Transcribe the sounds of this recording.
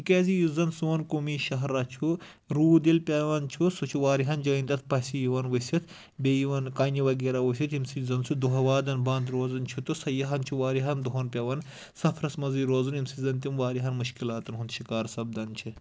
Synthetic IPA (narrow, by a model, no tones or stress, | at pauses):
ikeːzijuzɐnsuɐnkomiːʃɐɦɾːat͡ʃʰu | ɾuːd̪ilpʲɐʋɐnt͡ʃʰusut͡ʃʰuʋaːɾiɦɐnd͡ʒɐĩnd̪ɐt̪̚ʰpɐsijiʋɐnʋɐsʲit̪ʰ | beːjiʋɐnkaːnʲiʋɐɡeːɾaːʋus̬ʲit̪imsizɐnsʰud̪uɦɐʋaːd̪ɐnbɐ̃ːnd̪ɾoːzɐnt͡ʃʰut̪usɐjɐɦɐnt͡ʃʰuʋaːɾiɦɐnd̪uɦonpʲɐʋɐn | sɐfʰɾɐsmɐziːɾoːzunimsizɐnt̪imʋaːɾiɦɐnmuʃkilaːt̪ɐnɦunʃikaːɾsɐb̚d̪ɐnt͡ʃʰi